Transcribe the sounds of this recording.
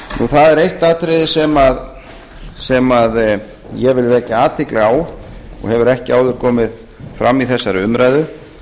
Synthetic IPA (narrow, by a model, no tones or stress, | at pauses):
nuθaðɛɾejht̪aːt̪ʰɾɪðɪsɛmað | sɛmað | jɛvɪlvɛːcaaːt̪ʰɪklɪawɔ̰ɣhɛvʏɾɛhcɪaːwðʏɾ̥kʰɔːmɪð | fɾamːiθɛsːaɾʏʏmɾajðʏ